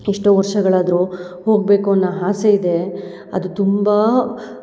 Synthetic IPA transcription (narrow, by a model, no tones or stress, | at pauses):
iʂʈoːʋɐɾʂɐɡɐɭaːd̪ɐɾu | ho̞ːɡbe̞ːkuɐnːaɦaːseid̪e̞ | ɐ̰d̪ut̪umba